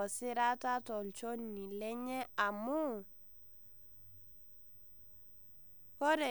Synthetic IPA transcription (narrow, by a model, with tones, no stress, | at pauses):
ɔ˨sɪ˦ɾa˦ta˦tɔ˨lt͡ʃo˦ni˨lɛ˦ɲɛ˦a˨mu˦ | kɔ˦ɾɛ˨